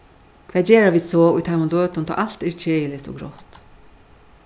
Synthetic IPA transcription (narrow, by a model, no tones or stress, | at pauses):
kʰvɛːd͡ʒeːɾaviːd̪sɔːʊjt̪ʰamʊnløːt̪ʊnt̪ʰɔ̰ːʔalt̪ɛɾt͡ʃʰeːjɪlɪt̪ɔ̰ːɡɾɔ̰ht̪